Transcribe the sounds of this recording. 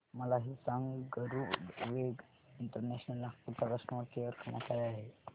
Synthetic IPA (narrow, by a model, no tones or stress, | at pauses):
məlaɦisãŋɡɡəɾuʋeɡ | iɳʈəɾneɕnəlapuɾt̪akəʂnəʋəɾkeʋəɾkʰəɳ̃jakaɾeaɦe